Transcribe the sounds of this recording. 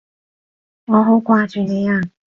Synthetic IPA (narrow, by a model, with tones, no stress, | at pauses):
ŋɔ˨˧ɦo˨˥wkwaː˧t͡ʃyː˨ne˨˧˦jaː˧˩